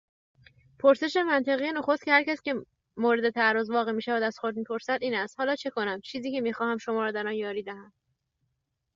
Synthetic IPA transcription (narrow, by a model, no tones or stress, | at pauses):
pʰoɾse̞ʃe̞mænt̪ʰe̞ɣije̞no̞xost̪̚cʰe̞hæɾcæscʲe | moːɾe̞d̪et̪ʰæːɾːozvɒːɣe̞miːʃævæd̪æz̥xod̪miːpʰo̞ɾsæd̪iːnæst̪hɒːlɒːt͡ʃʰe̞kʰo̞næmt͡ʃʰiːziːcʰe̞miːxɒːhæmʃo̞mɒːɾɒːd̪æɾɒːnjɒːɾiːd̪æhæm